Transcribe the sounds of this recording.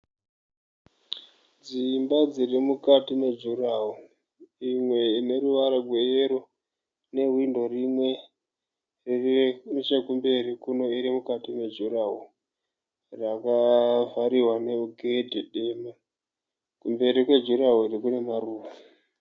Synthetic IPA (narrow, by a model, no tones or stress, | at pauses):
d͡zimbad͡zirimukatine̞d͡ʒuraɦo | imwe̞ine̞ruʋaɾaɡʱwe̞jeɾo | ne̞windo̞rimwe̞ | ririnit͡ʃekumbe̞rikuno̞iɾimukatine̞d͡ʒuraɦo | rakavaɾiɦwane̞uɡʱedʱeɗeːma | kumbe̞ɾikwe̞d͡ʒuraɦoiɾikune̞maruːʋa